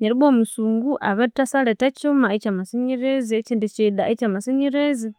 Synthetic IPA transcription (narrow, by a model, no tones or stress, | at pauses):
ɲeɾiβomusuːŋɡuʔaβetasaletat͡ʃumait͡ʃamasiɲiɾezit͡ʃindit͡ʃiɗait͡ʃamasiɲiɾezi